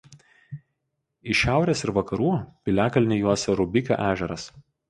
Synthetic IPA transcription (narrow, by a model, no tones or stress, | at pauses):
ɪʃʲæˑʊɾʲeːsɪɾʋɐkɐɾuːpʲɪlʲæːkɐlʲnʲɪjuɔsʲɛɾʊbʲɪkʲo̰ʔæːʒʲɛɾɐs